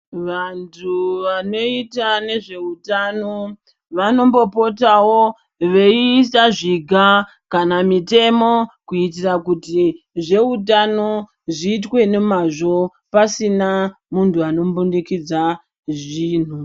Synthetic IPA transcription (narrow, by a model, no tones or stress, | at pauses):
ʋantʰuʋano̞itane̞ʐe̞utano̞ | ʋano̞mbo̞po̞tawo̞ | ʋe̞isaʐiɡʱa | kanamite̞mo̞kuitirakuti | ʐe̞utano̞ | ʐiːtwe̞ne̞maʐo̞ | pasina | muntʰuano̞mbundikid͡za | ʐiːn̤u